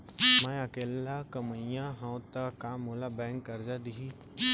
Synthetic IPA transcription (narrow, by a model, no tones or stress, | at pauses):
mɛ̃ɐkeːlːakəməjãɦɐ̃wt̪akaːmolabɛ̃ːŋkːɐɾd͡ʒad̪iɦi